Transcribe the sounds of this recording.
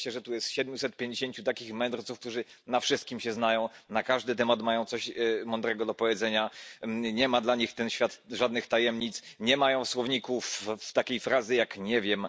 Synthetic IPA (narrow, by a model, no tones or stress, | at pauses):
ɛʐɛt̪ujɛst̪ɕɛd̪̚mʲjusɛt̪̚pʲjẽɲd͡ʑeɕeɲt͡ɕut̪akʲixmɛnd̪ɾt̪sufkt̪uʐɘ | nafʂɘst̪̚kʲimɕɛznajɔ̃w̃nakaʐd̪ɘt̪̬ɛmat̪majɔ̃w̃t̪sɔɕmɔnd̪ɾɛɡɔd̪ɔpɔvʲjɛd̪zɛɲaɲɛmad̪laɲixt̪ɛnɕfʲjat̪ʐad̪nɘxt̪ajɛmɲit̪sɲɛmajɔ̃w̃swɔvɲikuft̪akʲejfɾazɘjakɲɛvʲjɛm